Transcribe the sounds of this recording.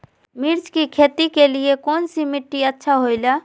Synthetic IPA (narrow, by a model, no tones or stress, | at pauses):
mɪɾt͡ʃkikʰeːt̪ikeliekɔːnsimɪʈːiətːʃʰaɦoɪla